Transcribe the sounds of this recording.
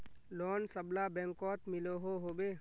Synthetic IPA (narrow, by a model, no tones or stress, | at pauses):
lɔːnsəblabɛ̃ːŋkɔːt̪mɪloɦoɦoːbeː